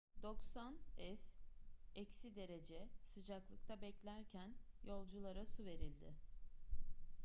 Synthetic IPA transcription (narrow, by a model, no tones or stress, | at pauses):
d̪o̞ksanɛf | ɛcsid̪e̞ɾe̞d͡ʒɛsɯd͡ʒaklˠɯk̚t̪ʰabɛclʲæɾcʰænjo̞lˠd͡ʒulˠaɾasuve̞ɾilʲd̪ɪ